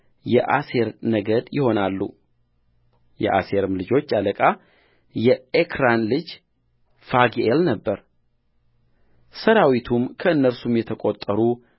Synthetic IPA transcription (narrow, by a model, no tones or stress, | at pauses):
jɛʔase̞ɾnəɡəd̪jɪho̞nalːṵ | jɛ̰ʔa̰se̞ɾɨmlɨd͡ʒo̞t͡ʃːaləkʼa | jɛekʰɾanlɨd͡ʒ | faɡelnəbːəɾ | səɾawit̪ʰumkʰəɨnːəɾsumjɛt̪ʰəkʼot̪ʼːəɾu